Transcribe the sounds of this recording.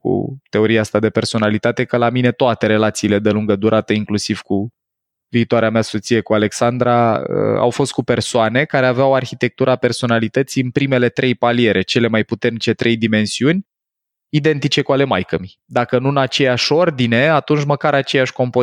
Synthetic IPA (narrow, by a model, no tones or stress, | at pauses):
kṵt̪e̞o̞ɾieast̪ad̪e̞pe̞rso̞nalit̪at̪e̞kəlamine̞t̪oat̪e̞ɾe̞lat̪siːle̞d̪e̞luŋɡəd̪uɾʔat̪eiŋklusiv̥ku | viːt̪oaɾeameaso̞t̪sije̞kuale̞ksand̪ɾaə̰a̰wfo̞st̪̚kupe̞rsoane̞kaɾe̞aveawarçit̪e̞k̚t̪uɾaːpe̞rso̞nalit̪ət̪sijɨnpɾime̞le̞t̪ɾʔe̞jpalie̞ɾʔe̞t͡ʃe̞le̞majput̪e̞rnit͡ʃe̞t̪ɾe̞jd̪ime̞nsiunʲ | id̪e̞nt̪it͡ʃe̞kuale̞majkəmi | d̪akənuɨnat͡ʃe̞jaʃo̞rd̪ine̞at̪unt͡ʃməkaɾat͡ʃe̞jaʃʲko̞mpo